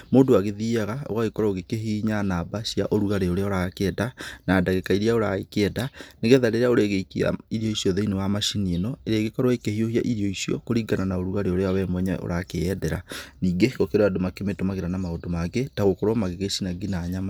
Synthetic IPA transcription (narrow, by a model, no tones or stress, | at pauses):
moːndowaɣeðiːaɣao̰ɣaɣekɔɾaoɣekeɦiːɲanabasiaʔoɾuɣaɾeoɾeaoɾakɛdanaːdaɣekaiɾiaoɾaekeɛdaneɣeðaɾeeaoɾɛɣekia̰iɾjɔisjɔðeinewamaʃinienɔeɾeɣekɔɾwaekehiohia̰ʔiɾjɔisiɔ̰koɾiɡananaoɾuɣaɾeoɾeawɛmwɛɲaʔo̰ɾakeɛdɛɾa̰niːɡeɣokeɾadomakemetomaɣeɾanamaodomaɡetaɣokɔɾwɔmaɣeɣesinaɡinaːɲama